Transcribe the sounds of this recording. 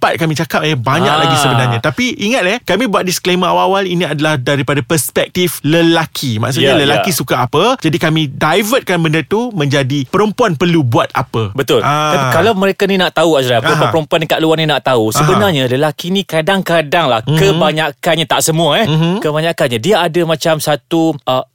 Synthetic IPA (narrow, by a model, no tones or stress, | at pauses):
pat̪̚kamĩt͡ʃakap̚ɛbaɲaklaɡisəbənarɲãt̪apiʔiŋat̪̚ɛhkamĩbuat̪̚diskleməawawalinĩadalahdaɾipadapərspɛk̚t̪ifləlakʰimã̰ks̬uɲaləlakisukaːpəd͡ʒadikamĩdajvət̪̚kanbəndərt̪umə̃ɲd͡ʒadipəɾəmpuanpərlubuat̪̚a̰pəbət̪ʊlʔaakalawməɾekaninaʔt̪auasɾauaəɾəmpuandəkaʔ̪̚luarnɲinaʔt̪ausəbənarɲaləlakinĩkadaŋkadaŋla̰hkəbaɲakanɲat̪aʔsəmũaɛkəbaɲakanɲadiaadamãt͡ʃamsat̪uʔə